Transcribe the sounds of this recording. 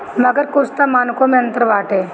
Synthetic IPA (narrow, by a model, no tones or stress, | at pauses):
mɐɡəɾkʊst̪amaːnkõmẽɐ̃nt̪əɾʋaːʈeː